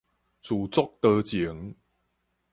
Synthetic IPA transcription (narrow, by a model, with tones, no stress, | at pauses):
t͡su˨˩t͡sʊ˥k̚t̪ə˧t͡ɕi˨˦əŋ